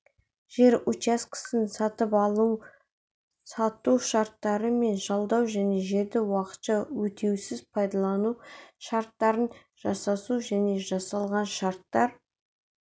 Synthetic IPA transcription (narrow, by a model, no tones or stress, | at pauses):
ʒ̥e̞ɾut͡ʃaskə̥sənsɑt̪əpɑlˠu | sɑt̪uʃɑɾt̪ːɑɾəme̞nʒɑlˠd̪ɑwʒæne̞ʒe̞ɾd̪ɪwɑqə̥t̪ʃɑwɵt̪ʰe̞wsɪzpʰɑjd̪ɑlˠɑnuʃɑɾt̪ːɑɾən | ʒ̥ɑsɑsuʒæne̞ʒɑsɑlˠʁɑnʃɑɾt̪ːɑɾ